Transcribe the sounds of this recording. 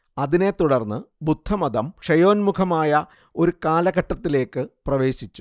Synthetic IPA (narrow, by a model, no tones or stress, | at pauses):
ɐðine̞t̪ːuɽɐrnːɨbud̪ʱːɐmɐðɐmkʂɐjo̞ːnmukʰɐmaːjɐ | o̞ɾukaːlɐɣɐʈːɐt̪ːile̞ːkːɨprɐʋe̞ːɕit͡ɕːu̥